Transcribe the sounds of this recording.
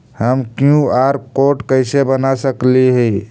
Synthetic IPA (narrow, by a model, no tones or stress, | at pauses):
həmkjũaɾkoʈkəɪsebənasəkliɦə